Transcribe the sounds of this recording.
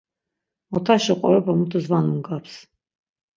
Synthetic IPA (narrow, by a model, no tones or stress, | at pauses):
ɔt̪ʰaʃiqʼɔ̰ɾɛpʰamut̪ʰɔzvanumɡapʰs